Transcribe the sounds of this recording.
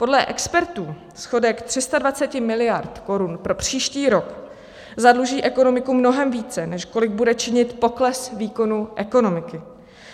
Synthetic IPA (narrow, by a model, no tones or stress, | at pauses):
po̞dlɛʔɛkspɛɾt̪uː | sxo̞dɛkt̪r̝̥ɪst̪advat͡sɛcɪmɪlɪjaɾt̪ko̞ɾunpɾo̞pr̝̥iːʃciːɾo̞k | zadluʒiːʔɛko̞no̞mɪkumno̞ɦɛmviːt͡sɛnɛʃko̞lɪɡ̚budɛt͡ʃɪɲɪt̪po̞klɛsviːko̞nuʔɛko̞no̞mɪkɪ